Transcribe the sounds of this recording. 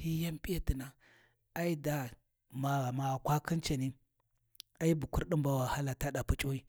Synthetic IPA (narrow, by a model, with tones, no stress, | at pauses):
hi˦ja˦mpi˦a˦˨ti˨na˨ | a˦i˦da˨ | ma˨ɣa˨ma˨kʷa˦kʰi˦nt͡ʃa˨ni˦ | a˦i˦bu˨ku˦ɾɗi˦mba˦wa˨ha˦la˨ta˦ɗa˨pu˦t͡ʃʼo˦i˦